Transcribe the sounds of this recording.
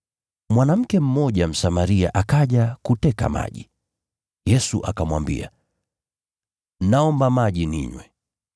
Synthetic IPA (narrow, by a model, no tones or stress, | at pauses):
mwanam̩kɛm̩mɔʄam̩samaɾia̰ʔakaʄakutɛka̰ma̰ʄi | jɛsuʔakamwa̰mbḭa | naɔmbamaʄinḭɲwɛ